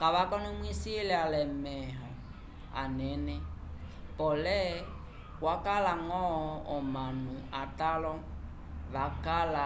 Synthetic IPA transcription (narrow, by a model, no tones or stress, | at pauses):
kaβakɔnɔmwisilɛalɛmɛɦa | a̰nɛnɛ | pɔlɛ | kwakalaŋɔɔmanuatalɔ | βakala